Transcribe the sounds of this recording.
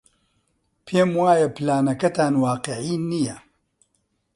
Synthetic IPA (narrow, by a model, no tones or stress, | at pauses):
pʰeːmwaːjɐplaːnɐkɐt̪ʰaːnwaːqeʕiːnijɐ